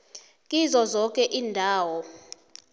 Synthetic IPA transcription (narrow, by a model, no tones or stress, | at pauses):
kʼizɔzɔkʼɛʔiːndʱaːwɔ